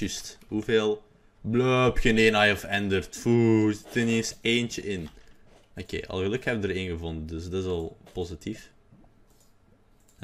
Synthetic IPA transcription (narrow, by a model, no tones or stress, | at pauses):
ysthuveːlˠ | bløpçəneːnajəfɛndərtfuːztənenseːnt͡ʃəʔɪn | okḛːʔɑ̰lˠɣəlɵkhɛb̚dəɾɪnɣəvɔndədəsdɑtɪsɑlˠpozitʰif